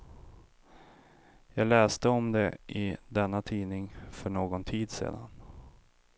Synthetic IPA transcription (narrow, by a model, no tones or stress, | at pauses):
jɑːɡlɛːst̪əɔmd̪ɛʔɪd̪ɛnːat̪ʰiːnɪŋfœɳoːɡɔnt̪ʰiːd̪sḛːd̪a̰n